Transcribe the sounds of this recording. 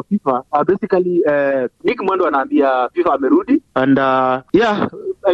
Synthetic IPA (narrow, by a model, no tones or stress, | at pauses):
fifaabɛsikaliɛnikimwɛndɔanaːmbiafifaːmɛɾuɗiandaja